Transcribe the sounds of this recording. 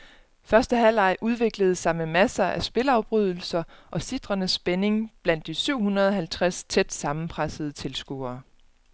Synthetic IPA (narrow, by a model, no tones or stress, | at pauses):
fɶɐsd̥əɦæl̰ɑ̈ɪʔuð̞ˠʋe̝ɡ̥ləð̞̩ˠsɑ̈ɪməmæsɐæsb̥e̝lɑ̈ʊb̥ʁyð̞̰ˠl̩sɐʔɒ̽sid̥ʁɐnəsːb̥ene̝ŋb̥læn̰d̥isyʊ̰hunʁɐð̞ˠɒ̽ɦælt͡sʰʁast͡sʰed̥sɑ̈mn̩pʰʁasəð̞̩ˠət͡sʰe̝lsɡ̥ṵːɐː